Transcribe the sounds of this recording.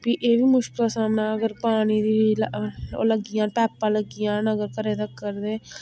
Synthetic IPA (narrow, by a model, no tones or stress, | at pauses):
biːʔeːbiːmʊʃkɪlaːsaːmnãːəɡəɾpaːɽ̃iːd̪iːlo̰ːləɡɪjãːpɛːpːãːləɡɪjãːnəɡəɾkəɾeːd̪əkːəɾd̪eː